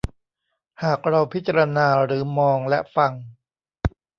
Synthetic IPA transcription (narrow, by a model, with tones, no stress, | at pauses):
haː˨˩k̚ɾa˧wpʰi˦˥t̪̚t͡ɕːa˧ɾa˧naː˧ɾɯː˩˦mɔː˧ŋlɛ˦˥ʔfa˧ŋ